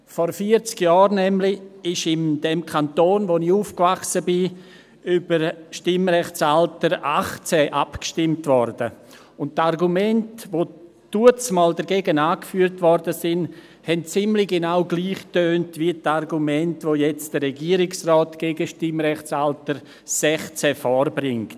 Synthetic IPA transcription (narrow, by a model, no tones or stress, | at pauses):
fɔɾfiəɾt͡skjɔːɾnɛmlɪɪʃɪnd̥ɛmkʰantoːnvonɪçuːfkvaχsəbɪ | ybəɾʃtɪmɾɛχt͡saltəɾaχt͡sɛːʔapkʃtɪmtvɔɾdə | ʊnttaɾɡumɛntvoː | d̥uət͡smɔːldəɾɡeːɡənaːkfyːɾtvɔɾdəsɪn | hɛnt͡sɪmlɪɡenaʊɡliːχtøːntviətaɾɡumɛntvojɛt͡sd̥ərɛɡiːəɾɪksrɔːtɡ̥eːɡəʃtɪmɾɛχt͡saltəɾ | sɛχt͡sɛfɔːɾbɾɪŋkt